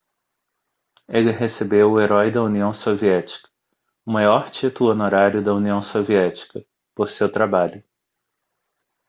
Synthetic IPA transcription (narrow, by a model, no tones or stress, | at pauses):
elɪɦesebewʊeɾɔjd̪ɐuniɐ̃w̃soviɛt͡ʃi̥kɐ̥ | ʊmajɔɾt͡ʃit̪ʊlʊonoɾaɾjʊd̪ɐuniɐ̃w̃soviɛt͡ʃi̥kɐ | poɾsewt̪ɾabaʎʊ